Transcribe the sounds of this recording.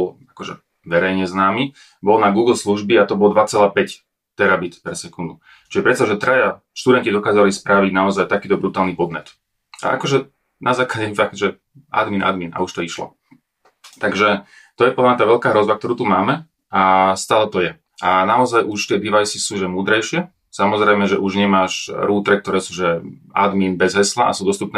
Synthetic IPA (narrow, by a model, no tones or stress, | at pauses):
bɔlakɔʒɛ̰ | ʋɛɾɛjɲɛznaːmi | bɔlnaɡuːɡl̩ˠsluʒbiat̪ɔbɔlɔd̪ʋat͡sɛlaːpɛc | t̪ɛɾabit̪pɛɾsɛkund̪u | t͡ʃiʒɛpɾɛt̪t͡saɔʒɛt̪ɾaja | ʃt̪ud̪ɛncid̪ɔkaːzalispɾaʋiɟnaɔzajt̪akiːt̪ɔbɾut̪aːlˠnipɔd̪mɛt̪ | a̰ʔa̰kɔʒɛ | nʔazaːkaɟɛfaɡ̚t̪ʒɛ | ʔa̰d̪miːnʔa̰d̪mina̰uʃt̪ɔiʃlɔ̰ | t̪aɡʒɛ | t̪ɔjɛpɔd̪lamɲat̪aʋɛʎkaːɦɾɔzʋak̚t̪ɔɾuːt̪umaːmɛ | ast̪aːlɛt̪ɔjɛ | ʔanaɔzajʔuʃt̪ɪɛd̪iʋajsisuːʒɛmuːd̪ɾɛjʃɪɛ | samɔzɾɛjmɛʒɛʔuʒɲɛmaːʃɾuːt̪ɾɛk̚t̪ɔɾɛːsuːʒɛa̰d̪miːnbɛzɦɛslaʔa̰suːd̪ɔst̪upnɛ